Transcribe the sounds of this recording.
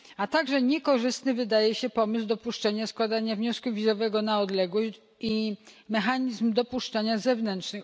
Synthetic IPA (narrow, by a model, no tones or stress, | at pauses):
at̪aɡʐɛɲɛkɔʐɘst̪nɘvɘd̪ajɛɕɛpɔmɘs̬wd̪ɔpuʂt͡ʂaɲaskwad̪aɲavɲɔskuvʲizɔvɛɡɔnaɔd̪lɛɡwɔɕ | imɛxaɲizmd̪ɔpuʂt͡ʂaɲazɛvnɛntʂnɘ